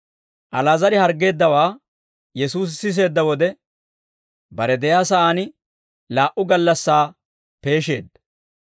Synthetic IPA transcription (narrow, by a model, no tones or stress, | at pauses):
ʔɐlaːzɐɾɪhɐɾɡːe̞ːd̪ːɐwaː | jɛsuːs̬sɪs̬e̞ːd̪ːɐwɔd̪ɛ | bɐɾɛd̪ɛjaːsɐʔaːnɪ | laːʔʊɡɐlːɐsːaː | pe̞ːʃe̞̰ːd̪ːɐ